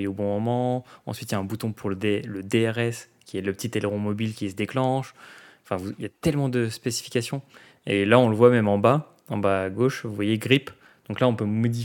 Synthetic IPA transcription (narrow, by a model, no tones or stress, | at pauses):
jeobɔ̃mɔmɑ̃ɑ̰̃sɥit̪jaɛ̃but̪ɔ̃pʰuʁləd̪eləd̪eɛʁɛskʲiɛləpət̪it̪eleʁɔ̃mɔbilkʲisəd̪eklɑ̃ʃɑ̃fɛ̃vuiljat̪ɛlmɑ̃d̪əspesi̥fi̥kʲasjɔ̃ | elaɔ̃ləvwamɛmɑ̃ba | ɑ̰̃baːɡoʃvuvwajeɡʁip | d̪̥ɔ̃klaɔ̃pømɔd̪i